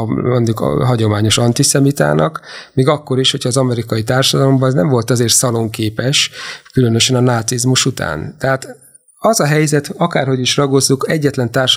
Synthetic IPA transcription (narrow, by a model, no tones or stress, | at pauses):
moɲd̪ukɦɒɟo̞maːɲo̞ʃɒnt̪isɛmit̪a̰ːnʔɒkmiːɡɒkːo̞ɾiʃho̞cʰhɒːzɒmɛɾikɒit̪aːrʃɒd̪ɒlo̞mbɒnɛznɛɱvo̞lt̪ɒzeːrt̪sɒlo̞ŋkeːpɛʃkylø̞nø̞ʃɛnɒnaːt̪sizmuʃut̪a̰ːnt̪ɛɦaːt̪ | ɒzɒɦɛjzɛt̪ɒkaːrho̞ɟiʃrɒɡo̞zːukɛɟːɛt̪lɛnt̪aːrʃ